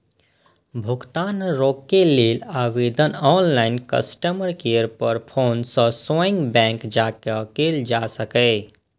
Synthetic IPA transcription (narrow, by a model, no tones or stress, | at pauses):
bʱʊɡt̪aːnɾoːkːeleːlaːʋed̪ənɔːnlaːɪnkə̰sʈəməɾkeəɾpəɾpʰoːnsə̃soɪ̃ŋɡbɛ̃ŋkd͡ʒakəkeld͡ʒasəkɛ